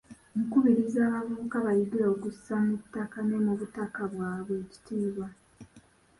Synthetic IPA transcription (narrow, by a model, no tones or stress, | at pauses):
omukuβiɾizaːβavuukaβajiɡiɾaoɡussamutːakanemuβutakaβwaːβwe̞ːci̥tiːβwa